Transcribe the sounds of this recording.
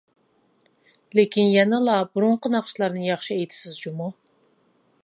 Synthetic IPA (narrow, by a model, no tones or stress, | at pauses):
lekʲinjɛnɛlˠɑbuɾuɴqənɑχʃlˠɑɾnɨjɑχʃɨejt̪ʰɪ̥sɪzd͡ʒumɑ